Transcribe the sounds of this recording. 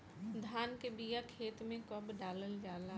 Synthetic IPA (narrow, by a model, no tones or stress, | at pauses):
d̪ʱaːnkebijakʰeːt̪mẽkɔbɖaːləld͡ʒaːla